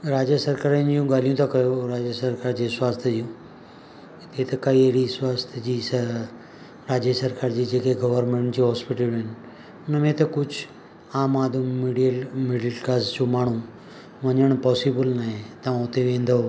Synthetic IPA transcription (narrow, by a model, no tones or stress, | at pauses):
ɾaːd͡ʑjəsɐɾkaːɾind͡ʑijũɡaːl̤ijũt̪ʰakɐjoɾaːd͡ʑjəsɐɾkaːɾd͡ʑesʊwaːst̪ʰd͡ʑijũ | t̪et̪ɐkɐieɽiswaːst̪ʰd͡ʑiːsɐ | ɾaːd͡ʑjəsɐɾkaːɾd͡ʑiːd͡ʑeːkeɡɐʋəɾmẽɳʈd͡ʑiːɦɔːspɪʈəlɦɪnɪ̆ | ʊnəmẽt̪ɐkʊd͡ʑʱʊ | aːmaːd̪ʊmmiːɖijəlmiːɖəlkazd͡ʑomaːɳ̤ũ | ʋɐɲəɽ̃pɔːsibəlnaɦet̪ɐʋ̤ãʊt̪eʋẽːn̆d̪ʱoo